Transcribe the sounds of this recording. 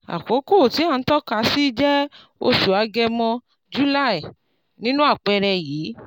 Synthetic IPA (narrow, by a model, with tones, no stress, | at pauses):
a̰˨ko˨˦ko˦˨ti˨˦a˦˨n̩˦tɔ˦ka˧si˦d͡ʒɛ˦ | o̰˧ʃu˨a˨˧ɡɛ˧mɔ̃˧ | d͡ʒu˦la˦i˨ | nĩ˦nũ˦a˦˨k͡pɛ˧ɾɛ˧jiː˨˦